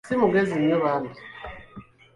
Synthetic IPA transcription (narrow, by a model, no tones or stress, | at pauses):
simuɡezinweβaːndi